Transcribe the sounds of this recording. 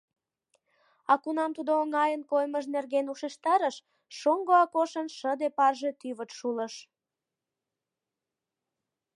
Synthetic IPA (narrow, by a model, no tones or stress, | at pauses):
ɑkunɑmt̪ud̪oːŋɑjənkojməʃ̬nerɣenuʃeʃt̪ɑɾəʃ | ʃoŋɡoɑkoʃənʃəd̪epɑrʒe̽t̪yβət̪ʃuləʃ